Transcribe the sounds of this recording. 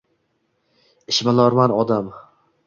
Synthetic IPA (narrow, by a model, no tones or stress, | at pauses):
ɪʃmalɒɾmanɒd̪am